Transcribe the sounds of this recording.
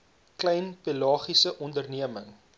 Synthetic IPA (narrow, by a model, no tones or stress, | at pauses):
klɛjnpelɑːχisəʔɔndərniəməŋ